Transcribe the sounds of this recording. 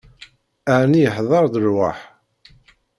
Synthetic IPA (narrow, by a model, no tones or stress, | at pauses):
ænijəħðˤɑɾˤðəɾwa̰ħ